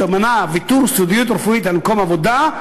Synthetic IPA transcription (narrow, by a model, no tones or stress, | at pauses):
amanavit̪uɾsud̪ijut̪̬ɾefuit̪almkomavod̪a